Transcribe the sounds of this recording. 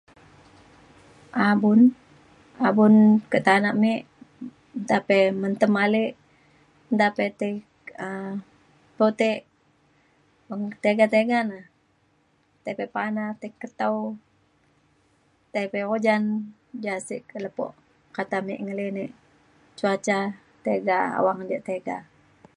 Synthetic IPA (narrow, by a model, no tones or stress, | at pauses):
ʔabʊn | abʊnkəʔt̪anaʔmeʔ | nt̪apɛmənt̪əmaleʔ | nt̪apet̪e | ə | pot̪eʔ | əŋt̪eɡat̪eɡana | t̪epɛpanat̪ekːət̪aw | t̪epeod͡ʒan | d͡ʒasiʔkələpɔ̰ʔ | kat̪amɛ̰ʔŋəleneʔ | t͡ʃuat͡ʃa | t̪eɡaa̰waŋdaʔt̪eɡa̰